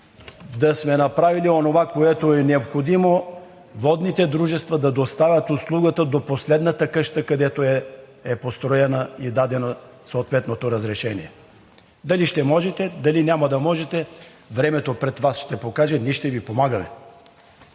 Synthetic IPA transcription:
d̪ɐsmɛnɐpɾavilionovakoɛt̪oɛnɛopxod̪imo | vɔd̪nit̪ɛd̪ɾuʒɛst̪vɐd̪ɐd̪ost̪avʲət̪ʊslˠuɡət̪əd̪oposlɛd̪nət̪əkɤʃt̪əkɐd̪ɛt̪oɛ | ɛpost̪ɾoɛnəid̪ad̪ɛnosoːt̪vɛt̪not̪oɾɐzɾɛʃɛnḭɛ | d̪ɐliʃt̪ɛmɔʒɛt̪ɛd̪ɐlinʲamɐd̪ɐmɔʒɛt̪ɛ | vɾɛmɛt̪opɾɛt̪vasʃt̪ɛpokaʒɛnʲɛʃt̪ɛvipomaɡəmɛ̰

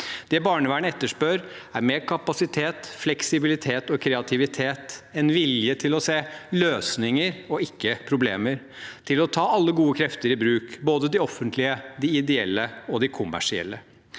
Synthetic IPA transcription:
d̪̥ɛbɑːɳəʋæːɳəɛt̪ːəʂpøːɾ | æɾmeːɾkʰɑpɑsɪt̪ʰeːt̪flɛksɪbɪlɪt̪ʰeːt̪ɔkʰɾɛɑt̪ʰɪʋɪt̪ʰeːt̪ɛnʋɪljət̪ʰɪlɔseːløːsnɪŋəɾɔɪkːəpʰɾʊblḛːməɾ | t̪ʰɪlɔt̪ʰɑːɑlːəɡuːəkʰɾɛft̪əɾɪbɾʉːkboːd̪əd̪ɪɔfːənt̪lɪəd̪ɪɪd̪ɛɛ̰lːəɔd̪ɪkʰʊmːæ̰ʂɪɛ̰lːə

